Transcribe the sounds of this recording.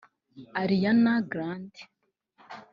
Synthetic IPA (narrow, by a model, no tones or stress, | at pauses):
aɾijanaɡɾandi̥